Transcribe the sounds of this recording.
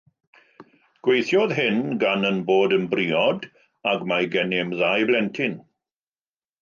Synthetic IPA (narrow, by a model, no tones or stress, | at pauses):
ɡ̥wejθjɔðɦɪnɡanənboːdənbriːɔd | aɡmajɡɛnɪmðajblɛntʰɪn